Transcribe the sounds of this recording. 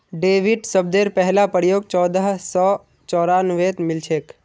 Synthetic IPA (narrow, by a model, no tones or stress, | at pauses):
ɖeːʋɪɖsəbd̪eːɾpɛɦlapəɾjoːɡ̚t͡ʃɔːd̪əɦsɔː | t͡ʃɔːɾaːnʋeːt̪mɪlt͡ʃʰeːk